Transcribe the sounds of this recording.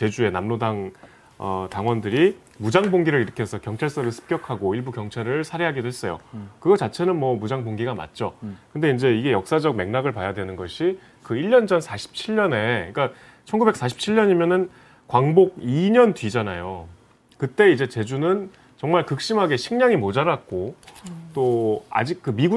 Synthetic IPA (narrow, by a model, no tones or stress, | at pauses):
t͡ɕe̞d͡ʑue̞namnodaŋ | ʌtaŋwʌndɯɾi | mud͡ʑaŋboŋɡiɾɯɭiɾɯkʰesʰʌkjʌŋt͡ɕʰaɭs͈ʌɾɯɭsʰɯ̥p̚k͈jʌkʰaɡoiɭbukjʌŋt͡ɕʰaɾɯɭsʰaɾeɦaɡedwe̞s͈ʌjo̰kɯɡʌt͡ɕat͡ɕʰe̞nɯnmʌmud͡ʑaŋboŋɡiɡama̰t̚t͡ɕ͈okɯnde̞ind͡ʑeiɡe̞jʌk̚s͈ad͡ʑʌk̚me̞ŋnaɡɯɭpajadwe̞nɯnɡʌɕʰi | kɯiʎːʌnd͡ʑʌnsʰaɕʰi̥p̚t͡ɕʰiɭːʌne̞ik͈a | t͡ɕʰʌnɡube̞k̚s͈aɕʰi̥p̚t͡ɕʰiʎːʌɲimjʌnɯn | kwaŋboɡ̚iɲʌntwid͡ʑanajo | kɯt͈e̞id͡ʑe̞t͡ɕe̞d͡ʑunɯn | t͡ɕʌŋmaɭkɯk̚ɕ͈imɦaɡe̞ɕʰiŋɲaŋimod͡ʑaɾak͈ot͈oa̰d͡ʑik̚k͈ɯmiɡu